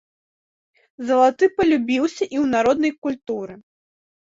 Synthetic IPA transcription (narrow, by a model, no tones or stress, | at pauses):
zɐlˠat̪ɨpɐlʲubʲiwsʲɐʔiwnaɾɔd̪nɐjkulʲt̪uɾɨ